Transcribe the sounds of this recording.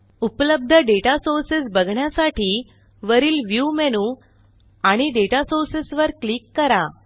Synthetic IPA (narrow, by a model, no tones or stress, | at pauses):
upləb̚d̪ʱəɖeʈasoɾsesbəɡʱɳjasaʈʰiː | ʋəɾiːlʋjumɛñu | aɽ̃iɖeʈasoɾsesʋəɾklikːəɾa